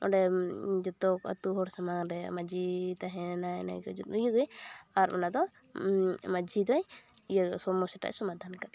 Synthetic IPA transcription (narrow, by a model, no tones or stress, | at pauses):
ɔ̰ɖɛd͡ʒɔt̪ɔka̰t̪uɦɔɾsamaŋɾɛmad͡ʒit̪aɦɛ̃najna̰jkɔd͡ʒɔt̪̚uijəɡəjaɾmɛnad̪ɔ | mad͡ʒid̪ɔjjəsɔmɔsɛʈa̰ʔsɔmad̪ʱankaɗ